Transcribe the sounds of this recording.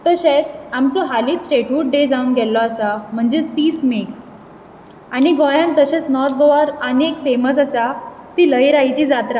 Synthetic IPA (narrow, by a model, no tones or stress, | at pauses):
t̪əɕet͡samt͡sɔɦaliːt͡ssʈeʈuʈ̚ɖed͡zaunɡʱɛlɔasam̤əɳd͡zet̪iːsmek | añiɡɔjãnt̪əɕet͡snɔt̪ɡoʋəɾənekfeməsasa | t̪iːləjɾajt͡ɕiːd͡zat̪ɾa